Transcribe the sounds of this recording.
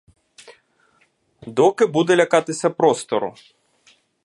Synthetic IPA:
d̪ɔkɪbud̪ɛlʲɐkɑt̪ɪsʲɐpɾɔst̪ɔɾʊ̰

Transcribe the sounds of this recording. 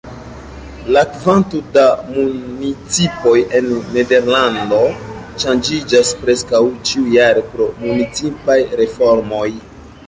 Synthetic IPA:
lakvantodamunit͡sipo̞je̞nːe̞de̞ɾlando̞ | ʃand͡ʒid͡ʒaspɾe̞skawt͡ʃiujaɾopɾo̞munit͡sipajɾe̞fo̞ɾmo̞j

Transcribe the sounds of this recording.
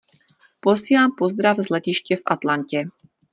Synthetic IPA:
posiːlaːmpozd̪ɾavzlɛcɪʃcɛfʔat̪lancɛ

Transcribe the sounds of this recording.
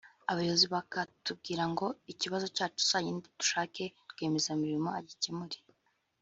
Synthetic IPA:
aβajoziβakatub̚ɡiːɾaŋɡo̞iciβazo̞caːt͡ʃu̥saɲinditu̥ʃaːke̞tɡwe̞ːme̞zamiɾimo̞aɟicimuɾi

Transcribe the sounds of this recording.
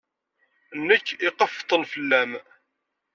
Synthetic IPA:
nːəkːiqəft̪ˤəlfəlːæm

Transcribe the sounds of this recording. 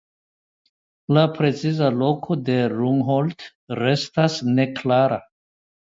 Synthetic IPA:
lapɾe̞t͡sizalo̞kʰo̞d̪e̞ɾuŋɦolt | ɾe̞stasne̞klaɾa

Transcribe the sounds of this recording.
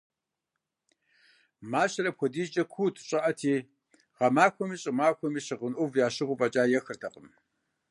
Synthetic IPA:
maːɕɐɾɐp̚xʷʰɔdiːd͡ʒʼɐkʷʰuːtʰɕʼɐʔɐtʰiː | ʁɐmaːkʷʰɔmiːɕʼɪmaːkʷʰɔmiːɕɪʁənʔʊvjaːɕɪʁʷʊpʼɐt͡ʃʼaːjɛxɨrtʰɐqʼəm

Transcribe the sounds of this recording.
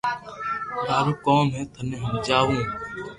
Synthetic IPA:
ɦaːɾuːkoːmɦɛ̃ːt̪ʰənẽːɦʊmd͡ʒaːʋũː

